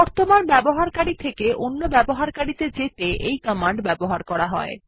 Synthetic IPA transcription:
ɔɾt̪omanbɛboɦaɾkaɾit̪ʰekeʔonːobɛboɦaɾkaɽit̪ed͡ʑet̪eʔejkəmaɳɖbɛboɦaɾkɔɾaɦɔ̰e

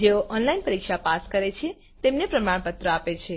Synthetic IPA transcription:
d͡ʒeoʔɔnlainpəɾikʃapaskəɾet͡ʃʰe | t̪emnepɾəmaɽ̃pət̪ɾəapet͡ʃʰe

